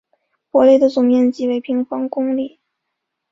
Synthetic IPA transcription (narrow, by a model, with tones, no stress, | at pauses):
pwɔ˧˥le˥˩ɪd̪ə˩t͡sʊ˨˩ŋjɛ˥˧nt͡ɕi˥˩we˧˥ɪpʰi˧˥ŋfɑ˥ŋkʊ˥ŋli˥˩